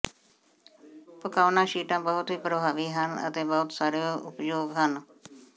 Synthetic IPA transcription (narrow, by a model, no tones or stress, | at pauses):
pʊkaːʋnãːʃiːʈãːbəɦʊt̪ɦiːpɾəbʱaːʋiːɦənə̰t̪eːbəɦʊt̪saːɾjoːʊ̰pjoːɡɦən